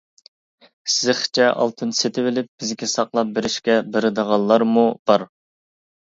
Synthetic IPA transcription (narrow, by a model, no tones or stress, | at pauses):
sɪzɪχt͡ʃʰɛʔɑ̰lˠt̪ʰɨnset̪ʰɪvɪlɪp̚b̥ɪzkʲɛsɑqlˠɑp̚beɾɪʃkʲɛbeɾɪd̪əʁɑlˠːɑɾmub̥ɑɾ